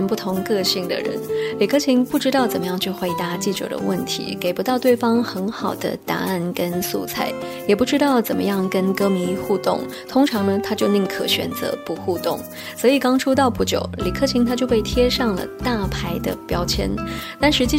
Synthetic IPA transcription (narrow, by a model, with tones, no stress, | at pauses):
npu˥˩t̪ʰʊ˧˥ŋkɤ˥˧ɕi˥˩ŋd̪ə̰˩ɻə̰˧˥nli˨˩kʰɤ˥˩t͡ɕʰi˧˥ŋpu˥˩ʈ͡ʂɻ̩˥t̪ɑ˥˩ʊt͡sə˨˩nmə˦jɑ˥˧ŋt͡ɕʰy˥˩xwe˧˥ɪt̪a˧˥t͡ɕi˥˩ʈ͡ʂɤ̰˨˩d̪ə̰˦wə̰˥˩nt̪ʰḭ˧˥ke˨˩ɪpu˧˥t̪ɑ˥˧ʊt̪we˥˩ɪfɑ˥ŋxə˧˥nxɑ˨˩ʊd̪ə̰˦t̪a̰˧˥a˥˩nkə˥nsṵ˥˧t͡sʰa˥˩ɪ | jɛ˨˩pu˥˩ʈ͡ʂɻ̩˥t̪ɑ˥˩ʊt͡sə˨˩mə̰˦jɑ˥˩ŋkə˥nkɤ˥mi˧˥xu˥˧t̪ʊ̰˥˩ŋ | t̪ʰʊ˥ŋʈ͡ʂʰɑ˧˥ŋnə˧t̪ʰa˥t͡ɕjo˥˧ʊli˥˩ŋkʰɤ˨˧˥ɕɥɛ̰˨˩nt͡sɤ̰˧˥pu˧˥xu˥˧t̪ʊ˥˩ŋ | sɔ˧˥i˨˩kɑ˥ŋʈ͡ʂʰu˥t̪̬ɑ˥˧ʊpu˥˩t͡ɕjo̰˨˩˦ʊli˨˩kʰɤ˥˩t͡ɕʰi˧˥ŋt̪ʰa˥t͡ɕjo˥˧ʊpe˥˩ɪt̪ʰjɛ˥ʂɑ˥˩ŋlə̰˩t̪a˥˩pʰa˥ɪd̪ə̰˧pjɑ˥ʊt͡ɕʰjɛ̰˥nt̪a˥˩nʂɻ̩˧˥t͡ɕi˥˧